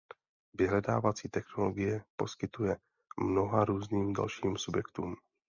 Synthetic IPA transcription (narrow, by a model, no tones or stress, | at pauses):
vɪɦlɛda̰ːvat͡siːt̪ɛxnoloɡɪjɛpo̞skɪt̪ujɛ | mnoɦaɾuːzniːmda̰lʃiːmsubjɛkt̪uːm